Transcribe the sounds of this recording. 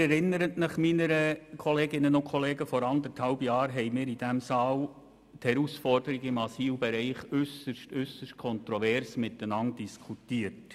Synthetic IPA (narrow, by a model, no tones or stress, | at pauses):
ɛɾɪnːəɾətnəχminəɾəkʰɔleːɡɪnːənʊnkʰχɔleːɡəfɔɾɑnd̪əthɑʊbjɑːɾɦɛɪmɪːɾid̥æmsɑːl | thɛɾusfɔrdəɾɪɡɪmɑsiːwbɛɾɛɪχʏsəʃtøsəʃtkʰɔntɾɔvɛːɾsmɪt̪ːənɑndiskʰutiːət